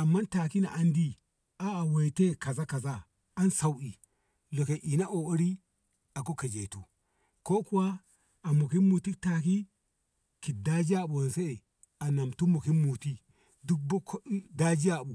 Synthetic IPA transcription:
a˨mːa˦nta˨ki˦na̰˨ʔa˦ndi˦ | a˦a˨we˨te˦ka˨za˦ka˨zaː˦ | nsa˨wʔi˨ | lo˨ke˨ʔi˨na˦ʔo˨o˦ɾi˦ | a˨ko˦ke˨d͡ʒe˨tu˨ | ko˦ku˦waː˦˨ | mo˨ki˦mu˨ti˦kta˨k̬i˦ | ki˨da˦d͡ʒi˦a˦˨ɓo˨nse˦e˨ | a˨na˨mtu˦mo˨ki˦mu˨ti˦ | du˦k̚bkda˦d͡ʒi˦a˦˨ɓu˨

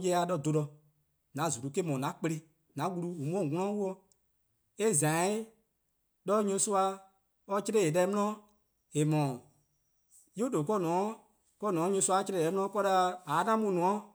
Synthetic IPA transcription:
jɛ˧˦a˧ɗɔ˧˨do˧lɔ˧ | nã˨˦˨zu˨ɾu˨˦ke˦mɔ̃˨nã˨˦k͡pe˧ɾe˧ | nã˨˦wu˧lu˧u˨mũ˦ɔ̃˦˨ŋɔ̃˦ɔ̃˦wu˦ɔ˧ | e˦zã˨˦i˦ | ɗɔ˦ɲũ˧su˦a˧ | ɔ˦t͡ʃɾe˦e˨lɛ˧˦mũ˦ɔ̃˦ | e˨mɔ̃˨ | jo˦do˨kɔ˦˨nɔ̃˨˦ | kɔ˦˨nɔ̃ː˨˦ɲũ˧su˧˦a˧˦t͡ʃɾɛ˦˨ɛ˨˦m̃˦ɔ̃˦kɔ˦la˧aː˨˦nã˦mũ˦˧˨nũ˨ɔ̃˨˦

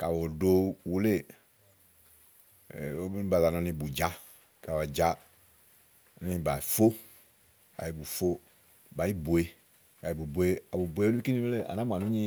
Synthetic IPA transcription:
ka˨wo˨do˦wu˦le˦˨ | o˦bu˦nĩ˦ba˨la˨˧nã˧nĩ˧˦bu˨d͡ʒa˨˦ | ka˨wa˨d͡ʒa˨˦˨ | nĩ˧˦˨ba˨i˨fo˦ | a̰˨i˨bu˨fo˦ | ba˨i˦bo˨e˦ | ka˨i˨bu˨bo˨e˦a˨bu˨bo˨˧e˦u˦i˦ki˦nĩ˦e˦le˦˨a̰˨nã˦mã˨nũ˦ɲĩ˦

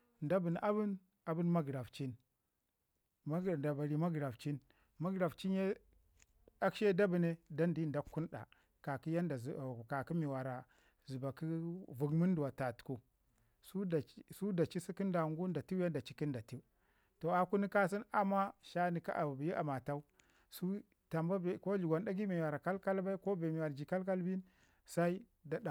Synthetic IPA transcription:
nda˦bi˨n˨a˦bi˦n | a˨bu˦nma˦ɡɾa˨ft͡ʃi˦n˦˨ | nda˨ba˨ɾi˨ma˦ɡɾa˨ft͡ʃi˦n | ma˦ɡɾa˨ft͡ʃi˦nje˦ | a˦kʃe˦da˦bi˨ne˦da˦ndi˦˨da˦kːu˦nɗa̰˨ | ka˨ki˦ja˦nda˨zka˨ki˦mi˨wa˨ɾa˨ | zu˨ba˨ki˦vu˨ɡmu˦n˦du˨wa˨ta˨tku˦ | su˦da˨˦su˦da˨t͡ʃi˦si˦ki˦nda˨ŋɡu˦nda˨ti˦ja˦nda˨t͡ʃi˦ki˦nda˨ti˦u˦ | to˨a˨ku˦ni˦ka˦s̬i˦na˨ma˦ʃa˦ni˨ka̰˦ʔa̰˨bi˨ji˦ʔa̰˨ma˨ta˦u˦ | su˦ | ta˨mba˦bko˦d͡ʒu˨ɡʷa˨nda˦ɡi˦mi˨wa˨ɾa˨ka˦lka˦lba˦i˦ko˦be˨mi˨wa˨ɾd͡ʒi˨ka˦lka˦lbi˦n | sa˦i˦ | da˨da˨

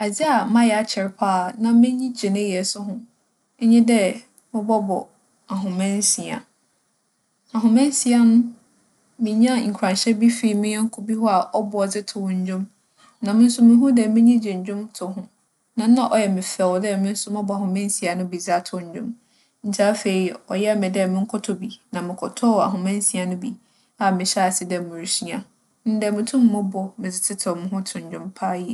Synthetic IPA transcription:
a˨d͡zi˦a˨mã˦jɛ˨a˨t͡ɕʰɪ˨ɾɪ˦pʰaː˦˨nã˨mɪ̃˦ɲĩ˦d͡ʑɪ˨nɪ̃˦jɛ˨sʊ˦ɦʊ̃˦ | ɲĩ˦dɛ˦ | mɪ̃˦bɔ˦bɔ̰˨ | a˨ɦʊ̃˨mɛ̃˦nsi˨a̰˨ | a˨ɦʊ̃˨mɛ̃˦n˦si˨a˦nʊ̃˦ | mɪ̃˨ɲ˦ã˦ŋ̩˨kʰᶣɾã˨nɕɛ˦bi˦fi˦˨mɪ̃˦jɛ̃˦ŋ̩˦kʰʊ˦bi˦hɔ˦a˨ʔɔ˦bʊ˨ɔ˨d͡zɪ˦tʰʊ˨wɲ̩˦d͡ʑᶣʊ̃˦m | nã˨mɪ̃˦n̩˦sʊ˦mɪ̃˨ɦũ˦dɛ˨mɪ̃˦ɲĩ˦d͡ʑɪ̃˨ɲ̩˨d͡ʑᶣʊ̃˦mtʰʊ˨ɦʊ̃˦ | nã˨˦nã˦ʔɔ˨jɛ˨mɪ̃˨fɛ˨wdɛ˦˨mɪ̃˦n̩˦sʊ˦mã˦bɔ˨a˨ɦʊ̃˨mɛ̃˦n̩˦si˨a˨nʊ̃˦bi˨za˦tʰʊ˨ɲ̩˨˦d͡ʑᶣʊ̰̃˦m | n̩˨tʰa˦fe˨i˨ɔ̰˨jɛ˦˨mɪ̃˨dɛ˦˨mɪ̃˦ŋ̩˦kʰɔ˦tʰɔ˨bi˨nã˨mɪ̃˨kʰɔ˨tʰɔ˦˨a̰˨ɦʊ̃˨mɛ̃˦n̩˦si˨a˨nʊ̃˦bi˨ | a˨mɪ̃˨ɕɛ˦a˨sɪ˨dɛ˨mʊ̃˨ɾsi˦ã˨ | n̩˦dɛ˨mʊ̃˨tʰũ˦mː˦ʊ̃˦bɔ˨mɪ̃˨d͡zɪ˨tʰɪ˦tʰɔ˨mɪ̃˨ɦʊ̃˦tʰʊ̃˨ɲ̩˨d͡ʑᶣʊ̃˦mpʰa˦jɛ˨

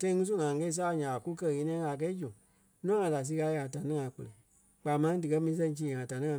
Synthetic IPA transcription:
tã˧ĩ˧ŋũ˦s̬u˦ŋã˨˧ɛ˧˦i˧s̬aː˦a˧˨ɲã˨a˨ku˦kɜ˧˨ɣe˨˧˦ĩ˧˦ã˧ŋa˨k̬ɛ˧˦d͡ʒũ˨ | nũ˦ã˦ŋã˨da˨s̬i˧ɣa˧˦˧a˨ta˨nĩ˦ŋã˨˦k͡pə˧le˨ | k͡paː˨˦mã˧ĩ˦dɨ˨kɜ˧˦mĩ˧ĩ˧s̬ɛ̃˧˦t͡ʃĩː˧˨ã˨ta˨nĩ˦ã˧

